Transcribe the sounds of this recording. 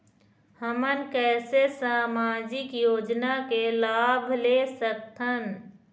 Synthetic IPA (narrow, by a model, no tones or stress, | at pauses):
həmənkɛːsesaːmaːd͡ʒɪkjoːd͡ʒnakelaːbʱleːsək̚t̪ʰən